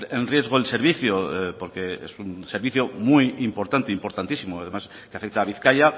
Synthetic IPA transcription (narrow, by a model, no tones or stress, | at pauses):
enrje̞zɣ̞oelse̞ɾβiθjopo̞ɾke̞ḛsunseɾβiθjomujimpo̞ɾt̪ant̪eimpo̞ɾt̪ant̪isimoaðe̞mas | keafe̞k̚t̪aːβ̞iθkaʎa